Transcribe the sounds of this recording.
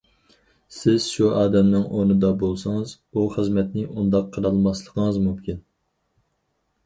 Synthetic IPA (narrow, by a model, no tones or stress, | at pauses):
sɪz̥ʃuɑːd̪ɛmnɨŋʔonɨd̪ɑbolˠsəŋɨz | uχəzmɛt̪nɪʔund̪ɑqʰːəɾɑlˠmɑslˠəqʰəŋəzmumkʲin